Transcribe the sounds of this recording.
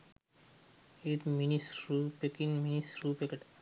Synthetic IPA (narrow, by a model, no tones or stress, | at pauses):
et̪minisɾupekinminisɾupekeʈ